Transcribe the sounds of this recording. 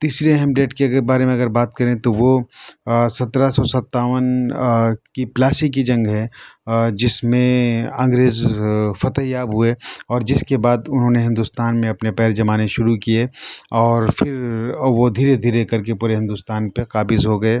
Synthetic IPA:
t̪iːsɾeɦɛmɖeːʈkebaːɾemẽɐɡəɾbaːt̪̚kɐɾẽt̪oʋo | sɐt̪ɾasɔsɐt̪ːaːʋən | kiplaːsikid͡ʒɐ̃ŋɡɦɛ | d͡ʒɪsmẽɐ̃ŋɡɾeːzfɐt̪əɦjaːbɦʊeɔːɾd͡ʒɪskebaːd̪ʊnɦõːneɦɪ̃nd̪uːst̪aːnmẽɐpnepɛːɾd͡ʒɐmaːneʃʊɾukieɔːɾfʰɪɾʋod̪ʱiːɾed̪ʱiːɾekɐɾkepuːɾeɦɪ̃nd̪ʊst̪aːnpeqaːbɪzɦoɡɐeː

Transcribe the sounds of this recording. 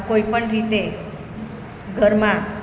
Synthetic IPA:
koipəɳɾit̪e | ɡʱəɾmã

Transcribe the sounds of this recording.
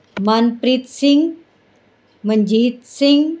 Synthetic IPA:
manpɾit̪sɪŋ | məɲd͡ʒiːt̪sɪŋ

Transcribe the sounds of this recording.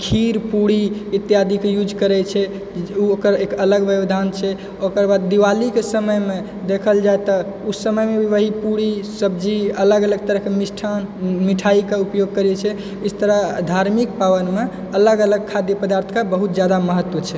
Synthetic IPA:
kʰiɾpuɽiit̪jad̪ʱikejud͡ʒkəɾɛt͡ʃʰɛ | uokəɾekələɡʋəbd̪ʱant͡ʃʰɛ | okəɾbad̪ːiʋalikesəməjme | d̪ekʰəld͡ʒaet̪ɔ | usəməjmebʱiʋəɦipuɽisəbd͡ʒiələɡələɡ̚t̪əɾəɦkemisʈʰanmiʈʰaikeupjoɡ̚kəɾɛt͡ʃʰɛ | ist̪əɾəd̪ʱaɾmik̚paʋənme | ələɡələɡ̚kʰad̪jəpəd̪aɾt̪ʰkabəɦut̪d͡ʒjad̪aməɦət̪ːwət͡ʃʰɛ

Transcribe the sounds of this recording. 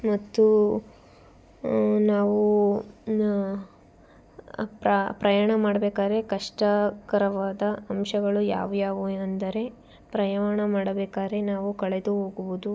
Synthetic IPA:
mɐt̪ːu | naːʋu | pɾapɾɐjaːɳɐmaːɽɐbeːkaːd̪ɐɾe̞kɐʂʈɐkɐɾɐʋaːd̪ɐɐmʃɐɡɐɭuja̰ːʋjaːʋuɐnd̪ɐɾe̞ | pɾɐjaːɳɐmaːɽɐbeːkaːɾe̞naːʋukɐɭed̪uɦoːɡuʋud̪u

